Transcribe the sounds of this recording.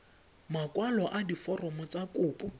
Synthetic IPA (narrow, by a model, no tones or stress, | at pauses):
makwalɔʔadifɔrɔmɔt͡sakʼʊːpʼɔ